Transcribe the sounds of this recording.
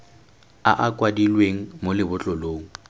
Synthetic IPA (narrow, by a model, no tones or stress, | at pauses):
a̰ʔakʼwadilweŋ̩molɪbʊt͡ɬʼɔloːŋ̩